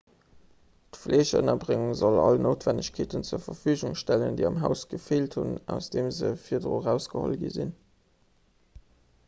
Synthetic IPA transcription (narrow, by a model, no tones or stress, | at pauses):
tflʔeːɕə̰nɐbʁɪŋuŋzolɑlnoːtv̥ænəɕkʰeːtənt͡suːɐfɐfyːʑʊŋʃtæləndəɪɑmɦæʊsɡ̥əfeːlthunæʊsd̥eːmzəfiːɐdʁoːʁæʊsɡ̥əho̰lɡḭzḭn